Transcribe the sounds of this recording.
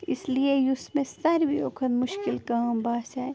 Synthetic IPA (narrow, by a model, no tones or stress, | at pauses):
ɪsliejʊsmẽsɐɾʋijo̰ːkʰənmʊʃkɪlkaːmbaːsaːe